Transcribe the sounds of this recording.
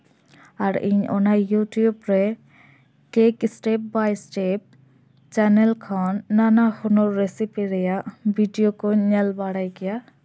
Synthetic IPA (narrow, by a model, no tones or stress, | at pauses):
aɾḭɲɔ̰najjutjubɾɛ | kekisʈep̚bajsʈep̚ | t͡ʃɛnɛlkʰanːanaxunɔːesipiɾɛjabʱiɖijokoɲɛlbaɽajkija